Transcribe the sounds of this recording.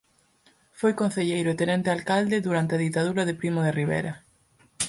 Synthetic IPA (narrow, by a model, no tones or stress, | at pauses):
fojkõnθeʎejɾʊet̪enɛnt̪ɪalkald̪ɪðuɾant̪eaðit̪aðuɾɐðepɾimoðeriβ̞ḛɾɐ